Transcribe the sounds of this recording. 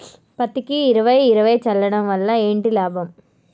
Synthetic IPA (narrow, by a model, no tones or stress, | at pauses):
pɐt̪ikiːɾɐʋɐjiɾɐʋɐjt͡ʃɐlːɐɽɐmʋɐlːɐeːɳʈilaːbʱɐm